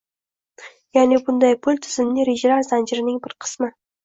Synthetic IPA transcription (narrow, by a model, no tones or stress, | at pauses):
janebʊnd̪ɑjpʰʊlʲt̪ʰɪzɪmneɾeʒeɾaɾzand͡ʒɪɾɪnɪŋbɪɾqʰə̥smɪ